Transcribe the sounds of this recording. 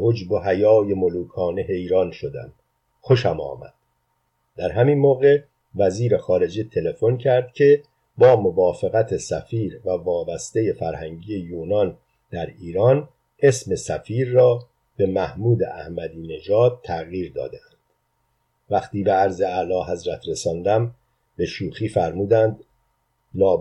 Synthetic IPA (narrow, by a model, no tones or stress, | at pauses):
hod͡ʒbo̞hæjɒːje̞moluːkʰɒːne̞ɦe̞jɾɒːnʃo̞d̪æ̰m | xoʃæmɒ̰ːmæ̰d̪̥ | d̪æɾɦæminmoːɣe̞ | væziːɾexɒːɾe̞d͡ʒet̪ʰele̞fo̞ncʰæɾd̪̥cʲʰe̞ | bɒːmovɒːfeɣæt̪ʰesæfiːɾvævɒːbæst̪e̞je̞fæɾhæŋɟije̞juːnɒn | d̪æɾiːɾɒːn | ʔe̞sme̞sæfiːɾːɒː | b̥e̞mæhmuːd̪ḛʔæhmæd̪iːne̞ʒɒːd̪̚t̪ʰːæɣjiːɾd̪ɒ̰ːd̪eænd̪̥ | væxt̪iːbe̞æɾzeælɒːɦæzɾæt̪ʰɾe̞sɒːnd̪æm | b̥e̞ʃuːxiːfæɾmuːd̪ænd̪ | nɒː